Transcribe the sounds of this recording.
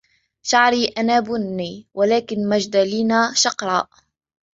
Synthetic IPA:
ʃaʕɾiːʔanaːbʊnːiːwalaːkɪnmad͡ʒd̪aliːnaːʃɑqɾˤɑ̰ːʔ

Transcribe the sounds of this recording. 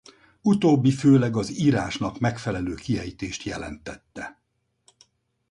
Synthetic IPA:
ut̪oːbːiføːlɛɡɒziːɾaːʃnɒkmɛkfɛlɛløːkiɦɛjt̪eːʃt̪jɛlɛ̰nt̪ɛt̪ːɛ

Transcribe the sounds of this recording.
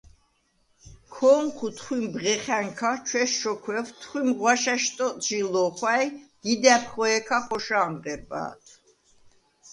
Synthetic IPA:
kʰɔːŋkʰut̪ʰχwimbʁɛχɛŋkʰat͡ʃʰwɛʃʃɔkʰwɛvt̪ʰχwimʁwaʃaʃt̪ʼɔʒilɔχwajd̪̥id̪ɛpʰχɔɛkʰaχɔʃaːmʁɛɾba̰ːt̪ʰ

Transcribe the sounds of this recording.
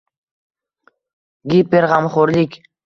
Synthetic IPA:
ɡipeɾʁɑmχoɾlʲikʲ

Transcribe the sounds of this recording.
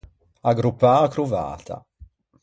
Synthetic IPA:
aɡɾupːaːkɾuva̰ːt̪ʰa̰

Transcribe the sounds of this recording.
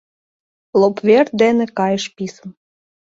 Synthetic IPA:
lopverd̪enĕkɑjəʃpisəm

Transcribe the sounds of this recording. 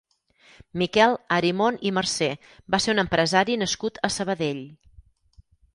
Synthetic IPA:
mikɛlˠəɾimonimərsɛ | baseunəmpɾəzaɾinəskut̪əsəβəðeʎ

